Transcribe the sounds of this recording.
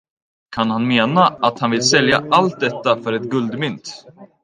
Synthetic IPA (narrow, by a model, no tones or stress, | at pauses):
kʰanhanmeːnaʔat̪hanvɪlsɛljaʔalt̪̚d̪ɛt̪ːafœɾɛt̪ɡɵld̪mʏnt̪